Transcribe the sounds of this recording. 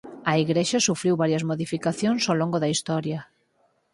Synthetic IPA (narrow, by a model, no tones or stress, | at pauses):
ɐiɣɾeʃɐsufɾiwβaɾjɐzmoðifikaθjoŋsoloŋɡoðɐist̪ɔɾjɐ